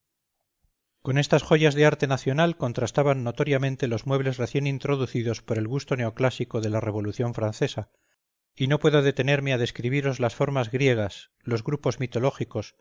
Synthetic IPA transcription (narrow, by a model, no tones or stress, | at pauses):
ko̞ne̞st̪asxo̞ʝazðeaɾt̪e̞naθjo̞nalko̞nt̪ɾast̪aβanːo̞t̪o̞ɾjamẽ̞nt̪e̞lo̞zmwe̞β̞le̞zre̞θje̞nint̪ɾo̞ðuθiðo̞spo̞ɾe̞lɣust̪o̞ne̞oklasiko̞ðe̞lare̞β̞o̞luθjo̞ɱfɾan̟θe̞sa | ino̞pwe̞ðo̞ðe̞t̪e̞ne̞ɾmeaðe̞skɾiβiɾo̞zlasfo̞ɾmazɣɾje̞ɣ̞as | lo̞zɣɾupo̞zmit̪o̞lo̞xiko̞s